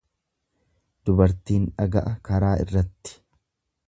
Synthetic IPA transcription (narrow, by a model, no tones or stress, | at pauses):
d̪̥ʊbɐɾt̪iːnᶑɐɡɐʔɐkɐɾaːɪ̰rːɐt̪ːɪ̥